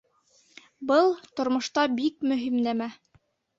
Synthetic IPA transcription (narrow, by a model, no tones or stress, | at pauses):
bɤlˠt̪ŏɾmŏʃt̪ɑbikmɵ̆ɦimnæmæ